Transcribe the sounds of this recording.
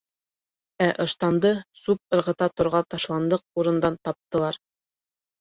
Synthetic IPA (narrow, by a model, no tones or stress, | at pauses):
æʔɤ̆ʃt̪ɑnd̪ɤsup̚ɤ̆ɾʁɤ̆t̪ɑt̪ŏɾʁɑt̪ɑʃlˠɑnd̪ɤq̚uɾɤ̆nd̪ɑnt̪ɑp̚t̪ɤ̆lˠɑɾ